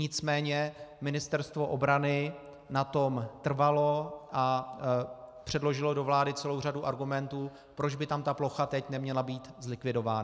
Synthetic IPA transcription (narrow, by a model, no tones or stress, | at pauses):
ɲɪt͡smɛːɲɛmɪnɪst̪ɛɾst̪vo̞ʔobɾanɪ | nat̪o̞mt̪r̩valo̞ʔa | pr̝̥ɛdlo̞ʒɪlo̞do̞vlaːdɪt͡sɛlo̞wr̝aduʔaɾɡumɛnt̪uː | pɾod͡ʒbɪt̪amt̪aplo̞xat̪ɛcnɛmɲɛlabiːt̪zlɪkvɪdo̞vaːna